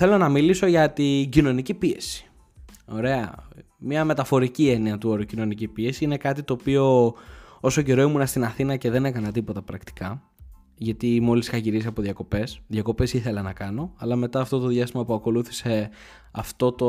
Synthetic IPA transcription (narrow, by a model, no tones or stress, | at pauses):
θe̞lo̞nɐmiliso̞ʝɐt̪iɟino̞nicipie̞si̥ | o̞ɾe̞ɐ̰ | mɐme̞t̪ɐfo̞ɾicie̞niɐt̪uoɾocino̞nicipie̞siine̞kɐt̪it̪o̞ːpio̞ | o̞so̞ce̞ɾo̞imunɐst̪inɐθinɐce̞ðe̞ne̞kɐnɐt̪ipo̞t̪ɐpɾɐkt̪i̥kɐ | ʝɐt̪imo̞lisixɐʝiɾiziɐpo̞ðjʝɐko̞pe̞sðʝɐko̞pe̞siθe̞lɐnɐkɐno̞ɐlɐme̞t̪ɐːft̪o̞t̪o̞ðʝɐst̪imɐpuɐko̞luθi̥se̞ | ɐft̪o̞t̪o